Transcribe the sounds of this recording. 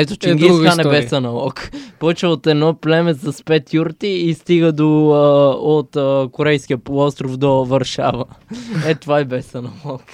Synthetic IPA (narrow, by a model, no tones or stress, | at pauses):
ɛt̪ot͡ʃɛŋɡĩanɛbɛsɐnɐlˠɔkpɔt͡ʃɛot̪ɛnɔplɛmɛzɐspɛt̪juɾt̪iːst̪iɡəd̪o | ot̪ːkoɾɛjskʲiəpolˠɔst̪ɾofd̪ovɐɾʃa̰vəɛt̪ovaibɛsɐnɐlˠɔk